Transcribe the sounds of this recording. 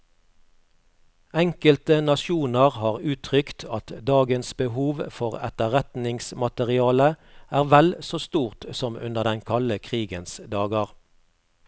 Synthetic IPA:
ɛŋkəlt̪ənɑʃuːnəʁhɑːʁʉːt̪ʰʁʏkt̪ʰɑt̪d̪ɑːɡənsbəhuːʋfɔʁɛt̪əʁɛt̪nɪŋsmɑt̪əʁɪɑːləʔæːʁʋɛlsoːst̪uːʁt̪sɔmʉ̰nəʁd̪ɛnkʰɑləkʰʁiːɡənsd̪ɑːɡəʁ

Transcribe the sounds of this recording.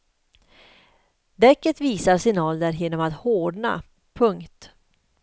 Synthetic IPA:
d̪ɛkːət̪viːsaɾsɪnɑːləɾjeːnɔmat̪hoːɖɳa̰ | pʰɵŋkt̪

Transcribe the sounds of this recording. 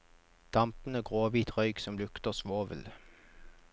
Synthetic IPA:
d̪̥ɑmpn̩əɡʁoːʋiːt̪ʁœʏɡsɔmlʉkt̪əʁsʋoːʋə̰l

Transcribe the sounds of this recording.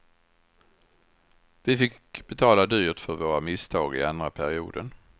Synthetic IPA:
vɪfɪk | b̥ɛt̪ʰɑːlad̪yːt̪fœɾvoːɾamɪst̪ʰɑːɡɪ̰and̪ɾapʰæɾɪṵːd̪ən

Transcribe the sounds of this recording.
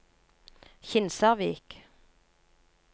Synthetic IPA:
çɪnsɑʁʋiːk

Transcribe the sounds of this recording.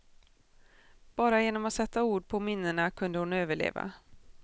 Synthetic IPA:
b̥ɑːɾajeːnɔmɔsɛt̪ːauːɖpʰɔmɪnːəɳakʰɵnd̪əhʊnøːvəɭḛːva̰

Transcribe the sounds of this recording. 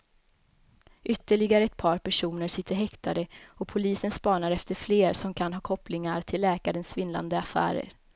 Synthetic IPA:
ʔʏt̪ːəɭɪɡaɾəɛt̪̚pʰɑːɾpʰæʂuːnəɾʂɪt̪ʰːəɾɦɛkt̪ʰad̪əɔpʰʊliːsənspɑːɳaɾɛft̪əɾfleːɾsɔmkʰanɦɑːkʰɔplɪŋaɾt̪ʰɪlːɛːkaɾənsvɪnla̰nd̪əafæ̰ːɾə̰ɾ

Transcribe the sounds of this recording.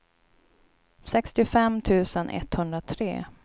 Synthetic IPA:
sɛkst̪ɪfɛmt̪ʰʉ̟ːsənʔɛ̰t̪hɵnd̪ɾat̪ʰɾḛː

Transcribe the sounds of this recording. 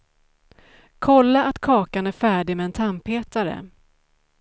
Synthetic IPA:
kʰɔlːaʔat̪kʰɑːkanæɾfæːɖɪmɛɛnt̪ʰampːeːt̪aɾə̰

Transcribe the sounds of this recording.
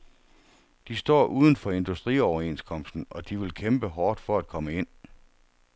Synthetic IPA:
d̥isd̥ɒ̰ːʔuːð̞ˠn̩fɒ̽e̝nd̥usd̥ʁḭɒʊɐe̝nskʰɒ̽m̰sd̥n̩ɒ̽d̥iʋe̝lkʰemb̥əɦɒːd̥fɒ̽æd̥̚kʰɒ̽məe̝n̰

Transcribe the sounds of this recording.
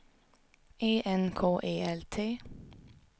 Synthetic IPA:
eːʔɛnkʰoːʔeːɛlt̪ʰeː

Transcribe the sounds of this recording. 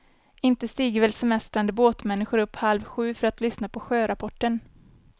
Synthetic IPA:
ɪnt̪əst̪iːɡəɾvɛlsɛmɛst̪ɾand̪əboːt̪mɛnːɪɧʊɾɵpːhalvɧʉ̟ːfœɾat̪lʏsnapʰɔɧøːɾapʰɔʈːən

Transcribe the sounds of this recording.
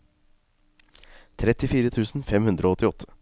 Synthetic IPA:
t̪ʰɾɛt̪ɪfiːɾət̪ʰʉːsn̩fɛmhʉnd̪ɾəoːɔt̪ːɪɔt̪ʰːə̥

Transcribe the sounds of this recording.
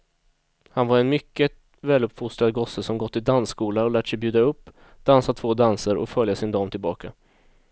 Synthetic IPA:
hanvaɾɛnmʏkːə | vɛːlɵpːfʊst̪ɾad̪ɡɔsəsɔmɡɔt̪ːɪd̪anskuːlaɔlæːʈsɛjbjʉ̟ːd̪aɵpː | d̪̥ansat̪ʰv̥oːd̪ansəɾʔɔ̰fœljasɪnd̪ɑːmt̪ʰɪlbɑːka

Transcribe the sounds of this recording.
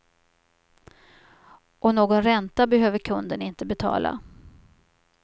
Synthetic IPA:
ʔɔnoːɡɔnɾɛnt̪abɛɦøːvəɾkʰɵnd̪ənɪnt̪əbɛt̪ʰɑ̰ːla̰

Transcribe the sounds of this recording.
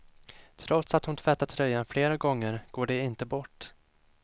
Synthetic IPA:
t̪ʰɾɔt̪sat̪hʊnt̪ʰvɛt̪ːat̪ʰɾœjːanfleːɾaɡɔŋːəɾɡ̥oːɖɛɪnt̪əbɔʈː

